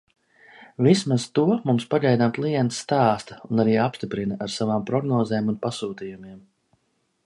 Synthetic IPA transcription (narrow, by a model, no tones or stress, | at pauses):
vismaz̥t̪uɔmumspaɟʲɛjd̪amklˠijɛnt̪sːt̪aːst̪ɐunaɾiːapst̪ipɾinaʔaɾsavaːmpɾɔɡnɔːzɛːmunpasuːt̪ijumiɛm